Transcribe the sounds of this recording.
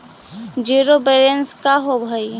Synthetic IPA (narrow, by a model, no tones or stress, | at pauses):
d͡ʒiːɾobeɾenskaɦobʱai